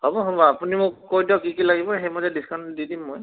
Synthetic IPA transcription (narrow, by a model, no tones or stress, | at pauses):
hɔbɔɦɔbɔapunimʊkojdɔkikilaɡibɔxejmozɛdiskʰandidimːoj